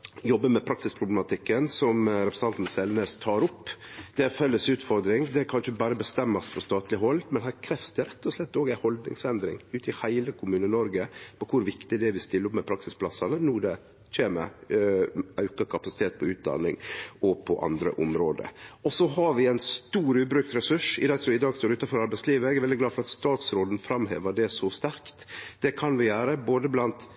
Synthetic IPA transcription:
jɔbːəmɛpʰɾɑksɪspʰɾʊblɛmɑt̪ʰɪkːənsɔmɾɛpɾəsn̩ʰɑnt̪n̩sɛlnəst̪ʰɑːɾʊpːd̪̥ɛæfɛlːəsʉːt̪fɔɾd̪ɾɪŋd̪ɛækʰɑnçəbɑːɾəbəst̪ɛmːɑsfɾɔst̪ɑːt̪ʰlɪɦɔld̪mɛnɦæːɾkʰɾɛfsd̪əɾɛt̪ːɔslɛt̪ːoːɡæɪhɔld̪nɪ̰ŋsɛnd̪ɾɪ̰ŋʉːt̪ʰɪhæɪləkʰʊmʉːnənɔɾɡəpɔkʰʊɾʋɪkt̪ɪɖɛʋɪst̪ɪlːɾʊpmɛpʰɾɑksɪspʰlɑsɑnənʊɖɛ | çeːmə̰ | ɑʉkəkʰɑpɑsɪ̥t̪ʰeːt̪̚pʰɔʉːt̪̚d̪ɑ̰nɪ̰ŋɔpʰɔʔɑ̰nd̪ɾə̰ʔʊmɾoːd̪ə̰ɔsɔɦɑɾʋɪæɪnst̪uːɾʉːbɾʉkt̪ɾɛsʉʂɪd̪ɑːsɔɪd̪ɑːɡst̪oːɾʉːt̪ɑnfɔɾɑɾbæɪsliːʋəɛɡɛɾʋɛld̪ɪɡlɑːd̪fɔɾɑt̪st̪ɑːt̪sɾoːd̪n̩fɾɑmɦḛːʋəɖɛsɔst̪æɾkt̪d̪̥ɛkʰɑnʋɪjæːɾəboːd̪əblɑnt̪

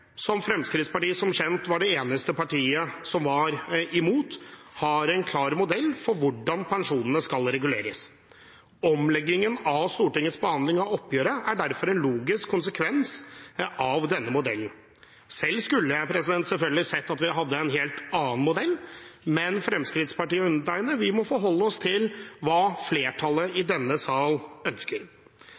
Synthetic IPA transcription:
sɔmfɾɛmskɾɪt̪spɑʈiːsɔmɕɛnt̪ʋɑɖɛeːnəst̪əpɑʈiːəsɔmʋɑɾɪmuːt̪hɑɾɛɪnkʰlɑːɾmʊd̪ɛlːfɔɾʋʊɖɑnpɛnʂuːnənəskɑlɾɛɡʉleːɾəs | ɔmlɛɡːɪŋənɑʋst̪uːʈɪŋːət̪sbəhɑnd̪lɪŋɑɔpːjøːɾəæɖæɾfɔɾɛnluːɡɪskʰːʊnsəkʰʋɛnsʔɑʋd̪ɛnːəmʊd̪ɛln̩ | sɛlːskʉlːəpʰɾɛsɪd̪ɛnt̪sɛlfœlɡəlɪsɛt̪ːɑt̪ʋɪɦɑd̪ːəɛnɦeːlt̪ɑːənmʊd̪ɛlːmɛnfɾɛmskɾɪt̪spɑʈiːəʉnːəʈæɪnəʋɪmɔfɔɦɔlːəɔst̪ʰɪlʋɑːfleːʈʰɑləʔɪd̪ɛnːəsɑːlœnskəɾ

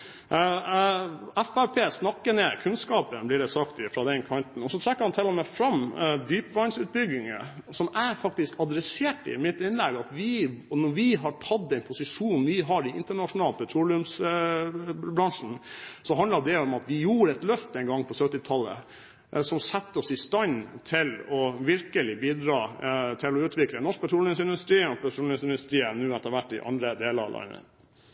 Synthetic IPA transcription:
æfæɾpʰeːsnɑkːəneːkʰʉnskɑːpənblɪɖɛsɑkt̪ɪfɾɑd̪ɛnkʰɑnt̪n̩ɔsɔt̪ʰɾɛkːəhɑnt̪ʰɪlːɔmɛfɾɑmd̪yːpʋɑɪnsʉːt̪̚bʏɡɪŋə̰sɔmæɾfɑk̚t̪ɪskɑd̪ɾɛseːʈɪ̰mɪt̪ːɪnlɛɡɑt̪ʋɪnɔʋɪɦɑʈʰɑd̪ːɛɪnpʰʊsɪʂuːnʋɪɦɑɾɪɪnt̪əɳɑʂʊnɑːlt̪̚pʰɛt̪ʰɾuːlɪʉms | bɾɑnʂn̩sɔɦɑnd̪əɾd̪ɛɔmɑt̪ʋɪjuːɾəɛt̪lœft̪əɛɪnɡɑŋːpʰɔsœt̪ːɪt̪ʰɑlːə̰ | sɔmsɛt̪ːəɔsɪst̪ɑnt̪ʰɪlɔʋɪɾkəlɪbiːd̪ɾɑːt̪ʰɪlɔʉːt̪ʰʋɪklənɔʂk̚pʰɛt̪ʰɾuːlɪŋsɪnd̪ʉst̪ɾiːɔpʰɛt̪ɾuːlɪŋsɪnd̪ʉst̪ɾiːənʉːɛt̪ːəɾʋæʈːɪ̰ʔɑ̰nd̪ɾəd̪eːləɾɑ̰lɑ̰ɪnə̰

